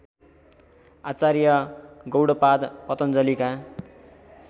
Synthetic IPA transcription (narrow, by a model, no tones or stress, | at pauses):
at͡saɾjʌɡʌwɽʌpad̪pʌt̪ʌnd͡zʌlika